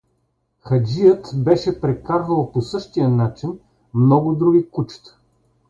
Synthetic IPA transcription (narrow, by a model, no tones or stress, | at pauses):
xɐd͡ʒijət̪bɛʃɛpɾɛkaɾvəlˠposɤʃt̪ijənat͡ʃin | mnɔɡʊd̪ɾuɡʲikut͡ʃt̪